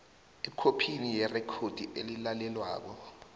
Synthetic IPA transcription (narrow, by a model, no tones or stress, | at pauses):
ɛkʰopʰinijɛrɛkʰod̥ʱiʔelilalɛlwa̰ːk̬ɔ